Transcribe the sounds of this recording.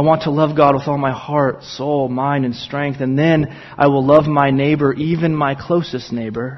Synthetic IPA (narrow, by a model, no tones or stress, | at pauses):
aɪwɑ̃ntʰəlʌvɡɑd̚wəðɔlˠmaɪhɑɹtsoʊlˠmãɪ̃ndɨ̃nstɹ̥ɛ̃ŋk̚θɨ̃nðɨ̃n | ʔa̰ɪwəlˠʌvmaɪneɪbə˞ʔivɨ̃nmaɪkʰl̥oʊsɨsⁿneɪbə˞